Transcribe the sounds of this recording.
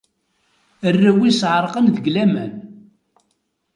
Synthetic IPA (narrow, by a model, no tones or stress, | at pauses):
ərːæwisʕəɾˤqənðəɡlæmæn